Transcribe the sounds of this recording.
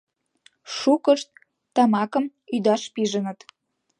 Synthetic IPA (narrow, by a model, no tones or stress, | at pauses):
ʃukəʃt̪ː | ɑmɑkə̆m | yd̪ɑʃpiʒənə̆t̪